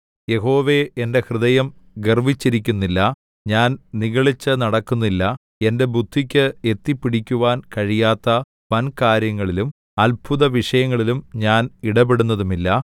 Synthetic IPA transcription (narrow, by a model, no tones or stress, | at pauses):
je̞ɦo̞ːʋe̞ende̞hrɨðɐjɐmɡerʋit͡ɕːiɾikʲːunːilːɐ | ɲaːnniɣɐɭit͡ɕːɨnɐɽɐkːunːilːɐ | e̞nde̞bʱud̪ʱːikʲːɨe̞t̪ːipːiɽikʲːuʋaːnkɐɻijaːt̪ːɐ | pɐnkaːɾjɐŋːɐɭilum | ɐlbʰuðɐʋiʂɐjɐŋːɐɭilumɲaːniɽɐbeɽunːɐðumilːɐ